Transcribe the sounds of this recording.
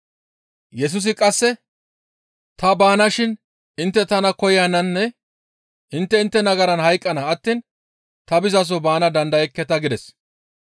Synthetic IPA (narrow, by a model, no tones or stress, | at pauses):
jɛs̬ʊs̬ɪkʼɐsːɛ | t̪ɐbaːnɐʃɪn | ɪnt̪ːɛt̪ɐnɐkɔjjanɐnːɛ | ʔɪnt̪ːɛɪnt̪ːɛnɐɡɐɾɐnhɐjkʼːɐnɐːt̪ːiːn | t̪ɐbɪzɐs̬ɔbaːnɐd̪ɐnd̪ɐjɛkːɛt̪ɐɡɪd̪ɛs